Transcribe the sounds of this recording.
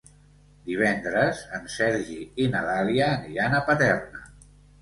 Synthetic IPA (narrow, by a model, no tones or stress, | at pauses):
d̪iβ̞ɛnd̪ɾəzənsɛɾʒiinəðaliəːniɾanəpət̪ɛrnə